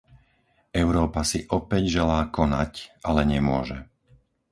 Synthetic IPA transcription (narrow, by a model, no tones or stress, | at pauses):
ɛʊɾɔːpasiʔɔpɛɟʒɛlaːkɔnacʔalɛɲɛmʊɔʒɛ